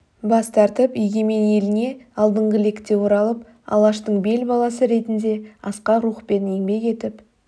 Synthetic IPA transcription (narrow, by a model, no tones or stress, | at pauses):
bɑst̪ɑɾt̪əpijɡʲe̞menje̞lɪne̞ɑlˠd̪əɴʁəle̞kt̪e̞woɾɑlˠəp | ɑ̰lˠɑʃt̪əɴbe̞lbɑlˠɑsəɾe̞t̪ɪnd̪e̞ɑsqɑɾuχpe̞neŋbe̞ke̞t̪ɪp